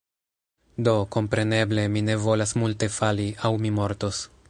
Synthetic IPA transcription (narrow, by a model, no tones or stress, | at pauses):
do̞ko̞mpɾe̞ne̞ble̞mine̞vo̞lasmulte̞faliawmimo̞ɾtos